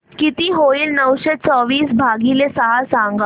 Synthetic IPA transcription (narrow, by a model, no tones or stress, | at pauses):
kit̪iːɦoiːlnəʋɕet͡sɔʋiːsbʱaɡilesəɦasãŋɡa